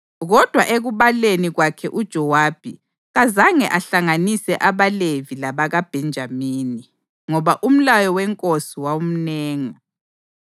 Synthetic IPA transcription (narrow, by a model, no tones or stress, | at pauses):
ɣɔd̥ʱwaʔeɣuβaleniɣwakʰɛʔud̥ʒ̥ʱɔwaːb̥ʱi | ɣazaŋɛʔaɬaŋanisɛʔaβalevilaβaɣab̥ʱɛnd͡ʒʱamiːni | ŋɔβaʔum̩lajɔwɛŋkʼosiwaum̩nɛːŋa